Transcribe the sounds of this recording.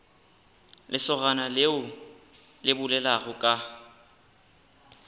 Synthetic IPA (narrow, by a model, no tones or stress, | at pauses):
lɪsɔɣanaleʊ | lɪbʊlɛlaɣʊkʼa